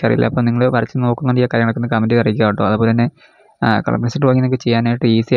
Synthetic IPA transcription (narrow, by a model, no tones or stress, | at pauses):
ɐrḭjḭlːʔɐ̰ːpːoːmniŋːɐɭɨʋɐrɐt͡ɕːɨno̞ːkːunːɐɳijɐkːaːɾjɐŋɐɭokːonːɨkɐmːindiɐriik̬ʲːaːʋiʈːoɐðɨpoːlt̪ɐnːe̞ | kɐ̰ɭɐ̰pːɳɐnsiʈːɨʋɐŋːinːkːɨt͡ɕe̞jːaːnaːjiʈːɨiːsi